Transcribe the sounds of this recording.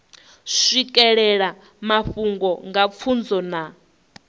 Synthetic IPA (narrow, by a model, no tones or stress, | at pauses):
ʂʷikʼɛɺɛɺa | maɸuŋɡɔŋɡap̪fʰund͡zɔna